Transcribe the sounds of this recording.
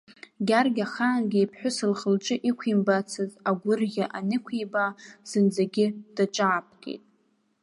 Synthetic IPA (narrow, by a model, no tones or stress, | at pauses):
ɡʲarɡʲaχaːnɡʲɪipʰħʷᶣʊsɨlχəlʈ͡ʂʼɨʔikʷʰimbat͡sʰɨzaɡʷʊrɣʲaʔanɨkʷʰibaz̥ɨnd͡zaɡʲɪd̥aʈ͡ʂʼaːpʰɡʲʼḛjtʼ